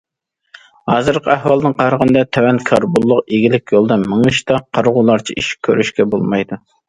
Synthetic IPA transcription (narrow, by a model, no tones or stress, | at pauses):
hɑːzɨɾqʰəæhwɑlˠnɨŋqʰɑɾəʁənɨd̪ɑt̪ʰɛwɛnkʰɑɾbulˠːʊqeɡʲilɪkʲjolˠd̪ɑmɨŋɨʃt̪ɑqʰɑɾʁʊlˠɑɾt͡ʃʰiʔiʃi̥kʲʰːøɾyʃkʲɛbolˠmɑjd̪u